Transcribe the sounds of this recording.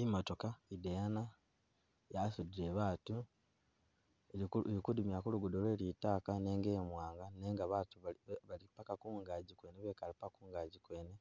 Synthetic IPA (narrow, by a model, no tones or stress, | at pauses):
imotokaidejana | jasudiɾe̞βaːtu | eeikudumjakuluɡudolwe̞ːlitaːkane̞ːŋɡeːmwaːŋɡane̞ːŋɡaβatuβalipakakuːŋɡaɟikwe̞ːneβeːkalipakuːŋɡaɟikwe̞ːne